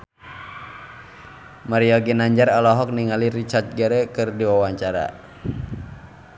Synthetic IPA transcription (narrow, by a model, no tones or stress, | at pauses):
maɾiɔɡinaɲd͡ʒaɾalɔɦɔk̚niŋalirit͡ʃart̪̚ɡəɾɛkɨrdiwawaɲt͡ʃaɾa̰